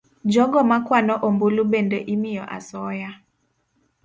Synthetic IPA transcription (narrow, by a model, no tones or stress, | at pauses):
d͡ʒɔɡɔmakwanɔʔombulubendɔʔimijɔʔa̰sɔːja